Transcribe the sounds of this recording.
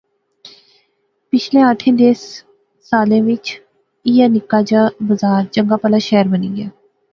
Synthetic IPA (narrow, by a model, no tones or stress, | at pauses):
pɪt͡ʃʰlẽːəʈʰːĩːd̪eːs | saːlẽːʋɪt͡ʃ | ijaːnɪkːaːd͡ʒaːbəzaːɾd͡ʒəŋɡaːpəlaːʃɛːɾbəniːɡɪjaː